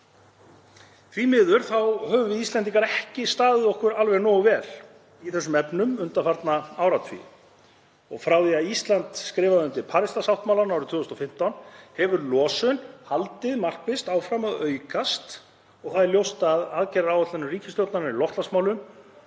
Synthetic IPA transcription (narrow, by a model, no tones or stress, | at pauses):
θvimɪːðʏɾ̥θawhœːvʏvɪðist̪ɛnt̪̬iŋkaɾɛhcɪst̪aːðɪðɔhkʏɾalvɛɣnɔːɣvɛːl̥ | iθɛsːʏmɛpnʏmʏnt̪afaɾt̪naawɾat̪fvḭ | ɔɣfɾawðiaðist̪lant̪skɾɪːvaðʏnt̪ɪpʰaːɾɪst̪ashawht̪mawlaɾnawɾʏt̪ʰvʏːðʏst̪ɔfɪm̥t̪awnhɛvʏɾlɔːsʏnhalt̪ɪðmar̥kvɪst̪awfɾamaðœːɥkast̪ | ɔɣθaðɛɾljowst̪aðaðcɛɾaɾawɛt̪lanːʏriːcɪ̥st̪ɔwt̪naɾɾilɔht̪lasmaːwlʏm